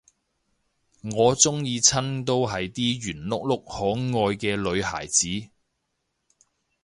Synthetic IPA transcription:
ŋɔː˨˧t͡sʊ˥ŋjiː˨˧t͡sʰɐ˥nt̪o˥wɦɐ˨jt̪iː˥jyː˨˩nlʊ˥k̚lʊ˥k̚hɔː˨˥ŋɔː˧jkɛː˧lɵ˨˧ɥɦa̰ː˨˩jt͡siː˨˥

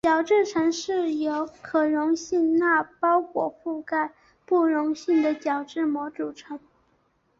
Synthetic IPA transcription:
t͡ɕjɑ˨˩ʊʈ͡ʂɻ̩˥˩ʈ͡ʂʰɤ˧˥ŋʂɻ̩˥˩jo˧˥ʊkʰɤ˨˩ɻʊ˧˥ŋɕi˥˧ŋna˥˩pɑ˥ʊkwɔ˨˩fu˥˩ka˥˩˦ | pu˥˩ɻʊ˧˥ŋɕi˥˩ŋd̪ə˩t͡ɕjɑ˨˩ʊʈ͡ʂɻ̩˥˩mwɔ˧˥ʈ͡ʂu˨˩ʈ͡ʂʰɤ˧˥ŋ

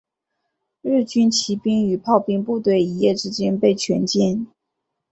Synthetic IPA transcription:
ɻ̩˥˩t͡ɕy˥nt͡ɕʰi˧˥pi˥ŋy˨˩pʰɑ˥˧ʊpi˥˧ŋpu˥˧t̪we˥˩ɪi˧˥jɛ˥˩ʈ͡ʂɻ̩˥t͡ɕjɛ˥npe˥˩ɪt͡ɕʰɥɛ̰˧˥nt͡ɕjɛ˥˩n

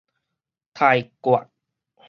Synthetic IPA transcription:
t̪ʰa˧jkwa̰˨˩t̚

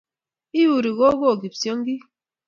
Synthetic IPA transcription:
i˦ju˨ɾi˨ɣɔ˦ɣɔ˦˨ɡi˨psjɔ˦ŋ˦ɡi˦

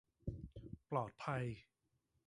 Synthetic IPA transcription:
plɔː˨˩t̪̚pʰa˧j

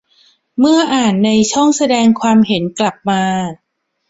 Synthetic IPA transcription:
mɯ˥˩ɐʔaː˨˩nːa˧jt͡ɕʰɔ˥˩ŋsa˧dɛː˧ŋkʰwaː˧mhe˩˦nkla˨˩p̚maː˧

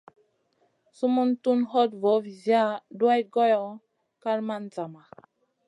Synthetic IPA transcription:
su˦mu˦ntu˦nɦɔ˦tvo˨˦vi˨zja˦˨du˦a˦jɡo˦jɔ˨˦ | ka˦ɾma˦nd͡za˨ma˨

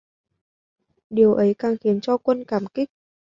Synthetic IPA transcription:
ɗi˨˩əwʔə˨˦jkaː˨˩ŋxi˨˦ənt͡ɕɔ˧kwə˧nkaː˧˩mkï˦˥k̚

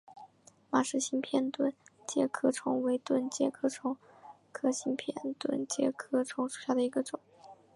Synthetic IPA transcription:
ma˨˩ʂɻ̩˥˩ɕi˥npʰjɛ˥˧nt̪wə˥n | t͡ɕjɛ˥˩kʰɤ˥ʈ͡ʂʰʊ˧˥ŋwe˧˥ɪt̪wə˥˧nt͡ɕjɛ˥˧kʰɤ˥ʈ͡ʂʰʊ˧˥ŋ | kʰɤ˥ɕi˥npʰjɛ̰˥˩nt̪wə̰˥˧˩nt͡ɕjɛ̰˥˩kʰɤ˥ʈ͡ʂʰʊ˧˥ŋʂu̥˨˩ɕja˥˩d̪ə˩i˧˥ɡə˧ʈ͡ʂʊ˨˩˦ŋ

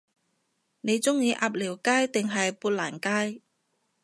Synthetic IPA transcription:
ne˨˧jt͡sʊ˥ŋjiː˧ʔaː˧p̚liː˨˩wkaː˥jt̪ɪ˨ŋɦɐ˨jpuː˧t̚laː˨˩nkaː˥j

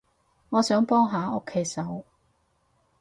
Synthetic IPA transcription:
ŋɔː˨˧sœː˨˥ŋpɔː˥ŋɦaː˨˧o˥kʰːe˨˥jsɐ˨˥w

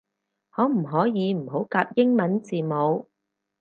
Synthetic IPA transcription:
hɔː˨˥m̩˨˩ɦɔː˨˥jiː˨˧m̩˨˩ho˨˥wkaː˧p̚jɪ˥ŋmɐ˨˥nt͡siː˨mo˨˧w

